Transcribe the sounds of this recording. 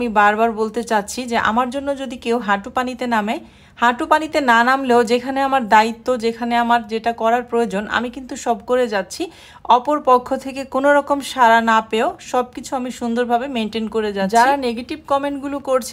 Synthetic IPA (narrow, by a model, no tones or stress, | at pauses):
mibaɾbaɾbolt̪et͡ɕatːɕʰid͡ʑeʔa̰maɾd͡ʑonːod͡ʑod̪ikewɦaʈupanit̪ename | haʈupanit̪enanamleod͡ʑekʰaneamaɾd̪ait̪ːod͡ʑekʰaneamaɾd͡ʑeʈakɔɾaɾpɾoeod͡ʑonʔa̰mikint̪uʃɔbkoɾed͡ʑatːɕʰi | ɔpoɾpɔkʰːot̪ʰekekonoɾɔkomʃaɾanapeoʃɔb̚kit͡ɕʰuamiʃund̪oɾbʱabemeɳʈenkoɾed͡ʑad͡ʑaɾaneɡeʈib̚kɔmeɳʈɡulokoɾt͡ɕʰ